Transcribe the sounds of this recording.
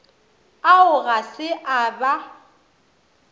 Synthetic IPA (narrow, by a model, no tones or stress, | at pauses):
aʊɣasɪʔaba